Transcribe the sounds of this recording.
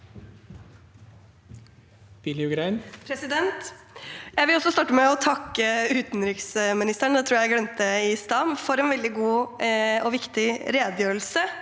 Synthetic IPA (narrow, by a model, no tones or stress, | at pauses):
b̥ɪlɪʉɡɾæɪnpʰɾɛsɪd̪ɛnt̪ | jæɪʋɪlɔsːɔst̪ɑːʈːəmɛɔt̪ʰɑkːəʉːt̪nɾɪksmɪnɪst̪əɳd̪ɛt̪ʰɾuːjæɪɡlɛnt̪əɪst̪ɑːmfɔɾɛnʋɛld̪ɪɡuː | ɔʋɪkt̪ɪɾeːd̪jøːɾəlsə